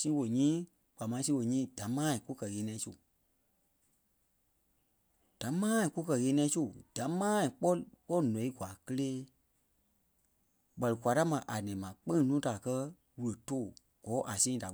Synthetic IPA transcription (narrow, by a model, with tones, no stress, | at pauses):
sĩ˦wo˨ɲĩː˦ | k͡pa˨mãː˨˦sĩ˦wo˧˨ɲĩː˦˨d̥a˨˦mãː˦ĩ˨ku˦kɜ˨ɣeː˨˦nĩ˦ɛ̃˧˨˦su˦˨ | d̥a˨˦mãː˦ĩ˨ku˦kɜ˧ɣeː˧˦nĩ˧ɛ̃˧˦su˦˨d̥ã˨˦mãː˦ĩ˨k͡pɔ˦k͡pɔ˦˨nɔ̃˨˦i˦ɡwa˨kə˧leː˦ | ɓɜ˧lɨ˨kʷa˨ta˦mã˨ʔa˨nɛ̃˨mã˨k͡pẽ˦ŋ˨nũː˦da˨kɜ˧˦ | wɨ˨ə˨toː˦˨ | ɡ̥ɔː˨˦ʔa˨sĩː˦˨da˨